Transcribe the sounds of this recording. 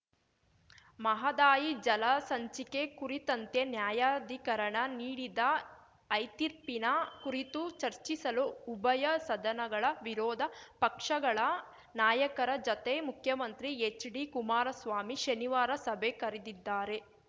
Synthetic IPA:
mɐɦɐd̪aːjid͡ʒɐlɐsɐɲt͡ʃikekuɾit̪ɐnt̪e̞njaːjaːd̪ʱikɐɾɐɳɐniːɽid̪ɐː | jt̪iɾpinɐkuɾit̪ut͡ʃɐɾt͡ʃisɐluːbɐjɐsɐd̪ɐnɐɡɐɭɐʋiɾɔːd̪ʱɐpɐkʂɐɡɐɭɐ | naːjɐkɐɾɐd͡ʒɐt̪emukʰjɐmɐnt̪ɾiet͡ʃɖikumaːɾɐsʋaːmiʃɐniʋaːɾɐsɐbʱekɐɾid̪id̪ːaːɾe̞

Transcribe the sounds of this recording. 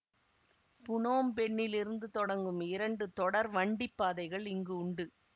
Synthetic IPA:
pʊnoːmpɛɳːɪlɪɾɯnd̪ɯt̪ɔɽɐŋɡɯmɪɾɐɳɖɯt̪ɔɽɐɾʋɐɳɖɪpːaːðɐɪɣɐɭɪŋɡɯʊɳɖɯ

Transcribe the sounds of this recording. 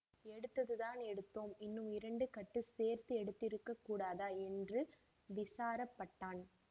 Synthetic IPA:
ɛɽɯt̪ːɐðɯðaːnɛɽɯt̪ːoːmɪnːɯmɪɾɐɳɖɯkɐʈːɯseːɾt̪ɯɛɽɯt̪ːɪɾɯkːɐkːuːɽaːðaːɛndrɯ | ʋɪsaːɾɐpːɐʈːaːn

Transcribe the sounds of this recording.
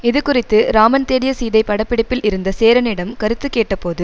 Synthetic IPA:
ɪðɯkʊrɪt̪ːɯɾaːmɐnt̪eːɽɪjɐsiːðɐɪpːɐɽɐpːɪɽɪpːɪlʔɪɾɯnd̪ɐseːɾɐnɪɽɐmkɐɾɯt̪ːɯkːeːʈːɐpoːðɯ

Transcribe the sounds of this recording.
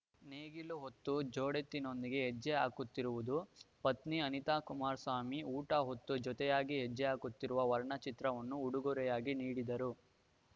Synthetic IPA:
neːɡiluɦot̪ːud͡ʒoːɽet̪ːino̞nd̪iɡe̞ɦɛd͡ʒːɛaːkut̪ːiɾuʋud̪upɐt̪niɐnit̪aːkumaːɾsaːmiuːʈɐɦot̪ːud͡ʒɔt̪ɛjaːɡiɦɛd͡ʒːɛaːkut̪ːiɾuʋɐʋɐɾɐɳɐt͡ʃit̪ɾɐʋɐnːuːɽuɡuɾɛjaːɡiniːɽid̪ɐɾu

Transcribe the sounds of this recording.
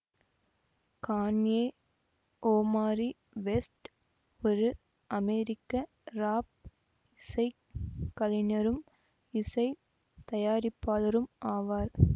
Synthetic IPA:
kaːnjeː | ʔoːmaːɾi | ʋɛsʈ | ɔɾɯ | ʔɐmeːɾɪkːɐ | ɾaːp̚ | ɪsɐɪ | kːɐlɪnɐɾɯm | ɪsɐɪ | t̪ɐjaːɾɪpːaːlɐɾɯmʔaːʋaːɾ

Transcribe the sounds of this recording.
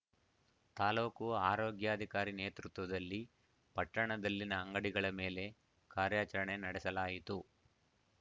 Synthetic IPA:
t̪aːloːkuaːɾo̞ːɡjaːd̪ʱikaːɾine̞ːt̪ɾut̪ʋɐd̪ɐlːi | pɐʈːɐɳɐd̪ɐlːinɐːŋɡɐɽiɡɐɭɐme̞ːle̞ | kaːɾjaːt͡ʃɐɾɐɳenɐɽɛsɐlaːjit̪u

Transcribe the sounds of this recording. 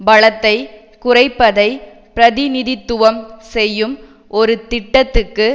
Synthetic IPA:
bɐɻɐt̪ːɐɪ | kʊrɐɪpːɐðɐɪ | pɪɾɐðɪnɪðɪt̪ːʊʋɐmsɛjːɯm | ʔɔɾɯt̪ɪʈːɐt̪ːɯkːɯ

